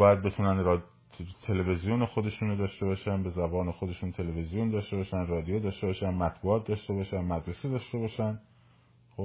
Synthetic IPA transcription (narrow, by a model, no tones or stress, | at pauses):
bɒːjæd̪̚be̞t̪ʰuːnænr | t̪ʰe̞levezijoːnexod̪e̞ʃuːnod̪ɒːʃt̪e̞bɒːʃænbe̞zæbɒːne̞xod̪e̞ʃuːnt̪ʰe̞levezijond̪ɒːʃt̪e̞bɒːʃænrɒːd̪ijod̪ɒːʃt̪e̞bɒːʃænmæt̪buːɒːt̪̚d̪ɒːʃt̪e̞bɒːʃænmæd̪ɾesed̪ɒːʃt̪e̞bɒːʃæn | xo